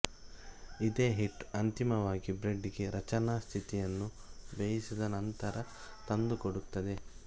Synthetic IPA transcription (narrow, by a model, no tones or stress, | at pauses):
id̪eːɦiʈːɐnt̪imɐʋaːɡibɾe̞ɖːiɡe̞ɾɐt͡ʃɐnaːst̪ʰit̪ijɐnːubejisid̪ɐnɐnt̪ɐɾɐt̪ɐnd̪ukoɽut̪ːɐd̪e̞